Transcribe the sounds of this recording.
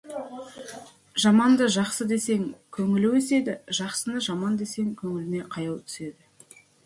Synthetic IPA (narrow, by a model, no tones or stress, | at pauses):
ʒɑmɑnd̪əʒɑqsəd̪e̞se̞ŋkʲʰɵŋɪlɪwese̞d̪ɪʒɑqsənəʒɑmɑnd̪e̞se̞ŋkʲʰɵŋɪlɪne̞qʰɑjɑwt̪ʰʏ̥se̞d̪ɪ